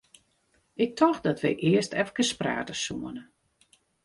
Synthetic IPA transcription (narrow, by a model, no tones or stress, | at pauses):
ʔɪk̚tʰɔxdɔtʋɛ̰jʔɪəstʰɛfkəspra̰ːtəsuənə